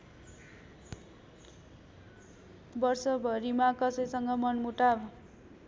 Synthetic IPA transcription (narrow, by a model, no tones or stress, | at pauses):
bʌrsʌbʱʌɾimakʌsʌjsʌŋɡʌmʌnmuʈab